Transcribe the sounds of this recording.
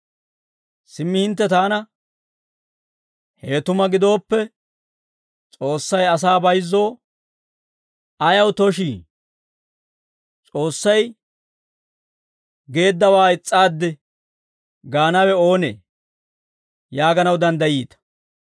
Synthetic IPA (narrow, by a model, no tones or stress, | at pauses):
sɪmːɪhɪnt̪ːɛt̪aːnɐ | heːt̪ʊmɐɡɪd̪o̞ːpːɛ | t͡sʼo̞ːsːɐjɐs̬aːbɐjzːo̞ː | ɐjɐwt̪ɔʃiː | t͡sʼo̞ːsːɐj | ɡe̞ːd̪ːɐwaːɪt͡sʼːaːd̪ːɛ | ɡaːnɐwɛo̞ːnḛː | jaːɡɐnɐwd̪ɐnd̪ɐjiːt̪ɐ̥